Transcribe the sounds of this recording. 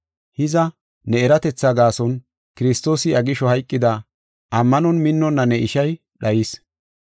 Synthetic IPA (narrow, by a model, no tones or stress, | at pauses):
hɪzɐ | nɛɛɾɐt̪ɛt͡sːɐɡaːsɔn | kɪɾɪst̪o̞ːsɪɐɡɪʃɔhɐjkʼːɪd̪ɐ | ʔɐmːɐnɔnmɪnːɔnːɐnɛʔɪʃɐj | ɗɐjɪs